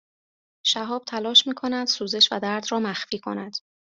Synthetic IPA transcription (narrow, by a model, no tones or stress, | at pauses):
ʃæɦɒːb̥̚t̪ʰælɒːʃmiːkʰo̞næd̪̥suːze̞ʃvæ̰d̪æɾd̪ɾɒːmæxfiːkʰo̞̰næd̪̥